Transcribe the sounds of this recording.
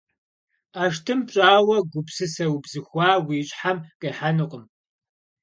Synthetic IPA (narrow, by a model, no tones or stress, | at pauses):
aːʃ̬tʰɨmpɕʼaːwɐɡʷʊpsɨsɐwbzɨxʷaːwiːɕʼħamkʼɐħanɨqʼəm